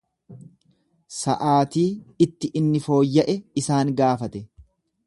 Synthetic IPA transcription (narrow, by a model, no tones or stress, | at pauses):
sɐʔaːt̪iːɪt̪ːɪʔɪnːɪfo̞ːjːɐʔɛɪsaːŋɡaːfɐt̪ɛ